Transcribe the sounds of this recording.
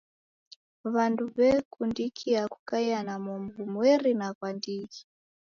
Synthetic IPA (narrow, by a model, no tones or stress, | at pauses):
βanduβɛkʰundikʰiakukaianamɔmvumwɛɾinakwandiki̥